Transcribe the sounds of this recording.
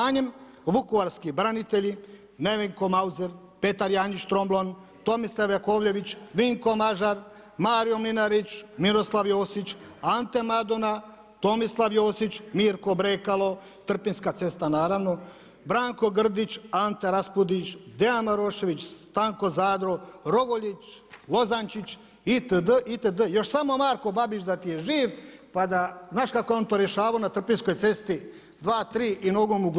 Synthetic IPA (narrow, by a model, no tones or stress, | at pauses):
aːɲem | ʋukuʋaɾskibɾanit̪eʎi | neʋeŋkomauzeɾ | pet̪aɾjaːɲit͡ʃt̪ɾomblˠon | t̪o̞mislaʋjakoʋʎe̞ʋit͡ʃʋiŋko̞maʒaɾ | maːɾijo̞mlinaɾit͡ʃmiɾo̞slˠaʋjoːsit͡ʃant̪emad̪ona | t̪o̞mislˠaʋjoːsit͡ʃmiːɾkobɾeːkalˠo | t̪r̩pinskat̪se̞st̪anaːɾaʋno | bɾaːŋko̞ɡr̩d̪it͡ʃant̪eɾaspud̪it͡ʃd̪eanmaɾoːʃe̞ʋit͡ɕsst̪aːŋko̞zaːd̪ɾoɾo̞ɡoʎit͡ʃlo̞zant͡ʃit͡ɕ | it̪əd̪əʔit̪əd̪əjo̞ʃsamo̞maːɾko̞babiʃd̪at̪ijeʒiːʋpad̪aznaːʃkakojeo̞nt̪oːɾjeʃaːʋaonat̪r̩pinsko̞jt̪se̞st̪i | d̪ʋaːt̪ɾiːʔino̞ɡomuɡ